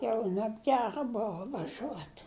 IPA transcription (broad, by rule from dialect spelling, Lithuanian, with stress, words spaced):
ˈjɛʊ nʲɛbʲˈɡʲæːrɐ ˈboːʋɐ ʋɐˈʒʲuɔtʲ